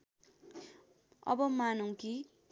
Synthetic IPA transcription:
ʌ̰bʌmanuŋki

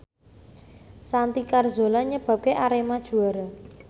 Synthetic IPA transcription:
sant̪ikarzo̤lɔɲəb̥a̤p̚keʔaɾemad̥ʒ̥ṳaɾa

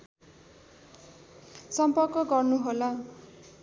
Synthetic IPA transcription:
sʌmpʌrkʌɡʌrnuɦola

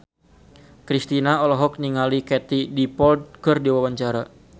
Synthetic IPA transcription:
kɾist̪inaɔlɔɦɔk̚niŋalikɛt̪idipɔld̪̚kərdiwawaɲt͡ʃaɾa

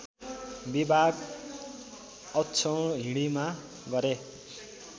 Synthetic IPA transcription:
bibʱaɡ | ʌtːt͡sʰʌwɦiɽ̃ima | ɡʌɾe

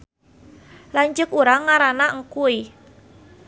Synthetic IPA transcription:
laɲd͡ʒʊkuɾaŋːaɾanaŋkui

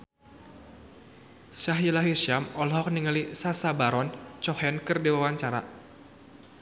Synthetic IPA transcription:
saɦilaɦirʃamɔlhɔk̚niŋalisasabaɾɔnt͡ʃɔhɛnkɨrdiwawaɲt͡ʃaɾa̰

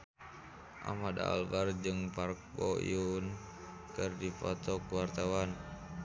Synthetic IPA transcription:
ʔa̰mada̰ːlbard͡ʒɨŋpark̚bɔḭun | kɨrdipɔt̪ɔkuwart̪awan

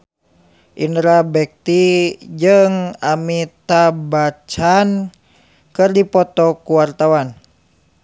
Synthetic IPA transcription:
ʔinɾabɛk̚t̪id͡ʒɨŋamit̪abat͡ʃan | kɨrdipɔt̪ɔkuwart̪awan

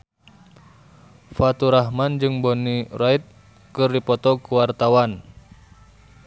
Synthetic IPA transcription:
fat̪uɾaɦmand͡ʒɨŋbɔnirait̪̚ | kɨrdipɔt̪ɔkuwart̪awan

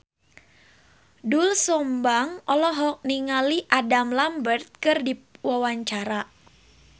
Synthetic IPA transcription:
dulsɔmbaŋɔlɔɦɔk̚niŋaliʔadamlambərt̪̚kɨrdiwawaɲt͡ʃaɾa

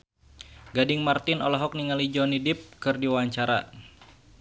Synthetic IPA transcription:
ɡadɪŋmart̪ɪnɔlɔɦɔk̚niŋalid͡ʒɔnidɪp̚kɨrdiwaɲt͡ʃaɾa̰

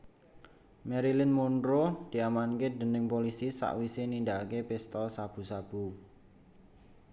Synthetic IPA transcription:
mɛɾilɪnmunɾod̪̥i̤amanked̪̥ə̤nɪŋpolisisa̰ʔwisenind̪akepɪst̪ɔsab̥ṳsab̥ṳ

